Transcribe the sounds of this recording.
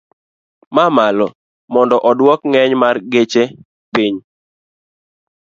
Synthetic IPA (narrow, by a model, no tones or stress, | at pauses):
mamalɔ | mɔndɔʔɔdwɔkŋɛɲmarɡet͡ʃe | piɲ